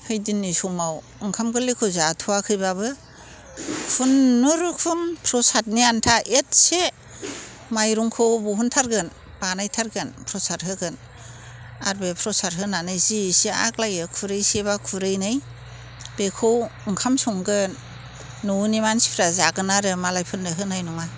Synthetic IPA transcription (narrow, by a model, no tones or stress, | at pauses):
hɯjdinːisumaw | ɯŋkʰamɡɯlekʰɯwzatʰuakʰɯjbabɯ | pʰunːuɾɯkʰumpʰɾɔsat̚niantʰaʔet̚se | majɾuŋkʰɯwbuɦuntʰaɾɡɯn | panajtʰaɾɡɯnpʰɾɔsat̚ɦɯɡɯn | aɾbepʰɾɔsaɾɦɯnanɯjzisia̰klajɯkʰuɾɯjseβakʰuɾɯjnɯj | b̥ekʰowɯŋkʰamsuŋɡɯ | nunimansi̥pʰɾazaɡɯnaɾɯmalajpʰɯndɯɦɯnajnɔŋa